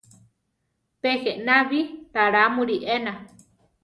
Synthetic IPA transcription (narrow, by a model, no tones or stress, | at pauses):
peheʔnaβit̪aɾamuɾiʔena